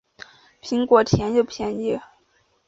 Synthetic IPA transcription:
pʰi˧˥ŋkwɔ˧˥t̪ʰjɛ˧˥njo˥˩ʊpʰjɛ˧˥ni˥˩

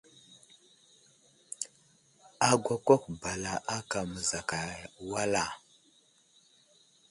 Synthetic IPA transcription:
a˨ɡʷa˦kʷa˦kba˨la˨ʔa˦ka˨mə˨za˨ka˨wa˦la˨

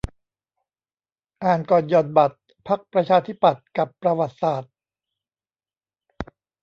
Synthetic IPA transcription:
ʔaː˨˩nkɔː˨˩njɔː˨˩n̚ba˨˩t̪̚ | pʰa˦˥k̚pɾa˧t͡ɕʰaː˧t̪ʰi˦˥pːa˨˩t̪̚ka˨˩pːɾa˧wa˨˩t̪̚saː˨˩t̪̚

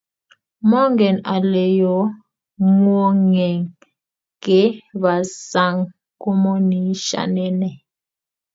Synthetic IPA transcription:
mɔ˦ŋɡɛ˨na˨lɛ˨jɔ˨˦ | ŋwo˦ŋɛ˨ŋ | ke˨˦βa˨sa˦˨ŋ | kɔ˦mɔ˦ni˨˦ʃa̰˦˨nɛ˦nɛ˨

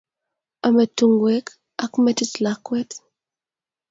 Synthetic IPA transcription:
a˨me˨tu˨ŋɡwɛ˦k | a˦kmɛti˦slakwɛ˦t

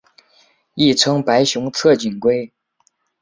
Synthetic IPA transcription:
i˥˩ʈ͡ʂʰɤ˥ŋpa˧˥ɪɕjʊ˧˥ŋt͡sʰɤ˥˩t͡ɕi˨˩nkwe˥ɪ

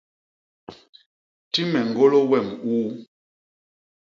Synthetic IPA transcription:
ti˦mɛ˨ŋ˨ɡo˦lo˦wɛ˦˨muː˦

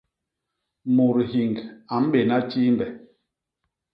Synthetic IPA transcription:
mu˨ɾhi˨ŋɡa˨m̩˦ɓe˨na˦t͡ʃi˦m˦bɛ˨

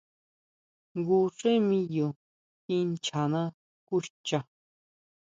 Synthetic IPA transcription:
ɡu˧ʂe˦mĩ˦jo˨ | ki˦nt͡ʃʰa˨na˦ | ku˦ʃt͡ʃa˨

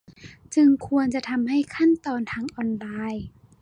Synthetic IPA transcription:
t͡ɕɯ˧ŋkʰu˧ənt͡ɕa˨˧˩t̪ʰa˧mha˥˩jkʰa˥˩˨nt̪ɔː˧nt̪ʰaː˧ŋʔɔː˧nlaː˧j

